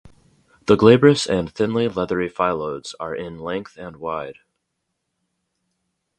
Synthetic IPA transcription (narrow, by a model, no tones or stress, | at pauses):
ðəɡleɪbə˞ɨsɨ̃nθɪ̃nlilɛðə˞ifaɪlˠoʊdz̥ə˞ʔɪ̃nlɛ̃ŋk̚θɨ̃nwaɪd̥